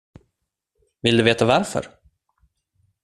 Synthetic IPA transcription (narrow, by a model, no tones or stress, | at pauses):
vɪld̪ɵveːt̪avaɾfœ̰ɾ